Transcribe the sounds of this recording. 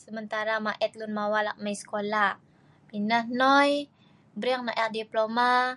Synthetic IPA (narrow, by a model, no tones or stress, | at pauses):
səmənt̪aɾamaʔɛt̪lunmawala̰ʔmajsə̥kola | minahnɔj | bɾaŋ̚naʔɛkdiploma